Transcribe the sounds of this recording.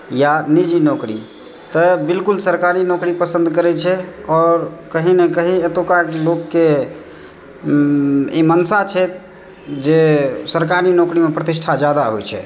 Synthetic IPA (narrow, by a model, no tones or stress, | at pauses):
janid͡ʒinokɾi | t̪əbilkulsəɾkaɾinokɾipəsə̃nd̪kəɾɛt͡ʃʰɛɔːɾkəɦinekəɦiət̪okaloɡːe | imənsat͡ʃʰɛt̪̚ | d͡ʒesəɾkaɾinokɾimepɾət̪isʈʰad͡ʒjad̪aɦojt͡ʃʰɛ̰